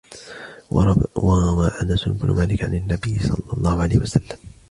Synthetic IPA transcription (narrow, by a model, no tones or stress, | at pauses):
wɑaʔanasʊnʊbnʊ̰maːlɪkʕanɪnːabɪjːɪsˤɑ̰lːɑlˤːɑːhʊʕalaːhɪwasalːam